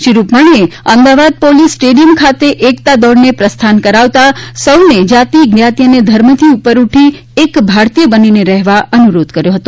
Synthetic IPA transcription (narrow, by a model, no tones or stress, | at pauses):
ʃiɾupmaɳ̃ieəmd̪aʋad̪̚polisːʈeɖijəmkʰat̪eʔekt̪ad̪ɔɽnepɾəst̪ʰankəɾaʋt̪asəwned͡ʒat̪iɡnjat̪ijəned̪ʱəɾmət̪ʰiupəɾuʈʰi | ekbʱaɾt̪ijəbənineɾɛɦʋaʔənuɾod̪kəɾjoɦət̪o